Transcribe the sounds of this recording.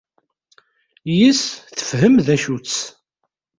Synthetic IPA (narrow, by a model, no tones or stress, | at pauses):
jisθə̥fɦəmðæʃut͡sː